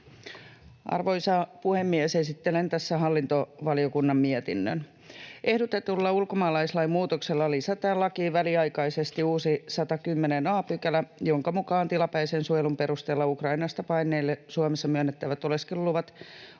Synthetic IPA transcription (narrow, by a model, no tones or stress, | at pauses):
ɑ̰rʋoisɑpuhemːiesesit̪ːelent̪æsːæɦɑlːint̪oʋɑliokunːɑmmiet̪inːø̰n | ʔehdot̪et̪ulːɑulkomɑːlɑislɑimuːt̪okselːɑlisæt̪æːlːɑkiːʋæliɑikɑisest̪iuːsisɑt̪ɑkymːenenɑːpykælæjoŋkɑmukɑːnt̪ilɑpæisensuojelumpe̞ɾust̪eːlːɑukrɑinɑst̪ɑpɑinːˑeːlːesuomesːɑmyønːet̪ːæʋæt̪oleskellːuʋɑt̪